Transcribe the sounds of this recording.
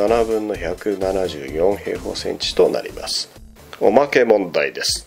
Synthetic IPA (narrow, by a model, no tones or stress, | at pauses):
anabɯ̟̃nːo̞çakɯ̟nanaʑɨ̰ːjõ̞ɰ̃he̞̰ːhoːsẽ̞̰ɲt͡ɕi̥t̪o̞na̰ɾʲḭma̰sɨ̥ | o̞̰make̞mõ̞nd̪aid̪e̞sɨ̥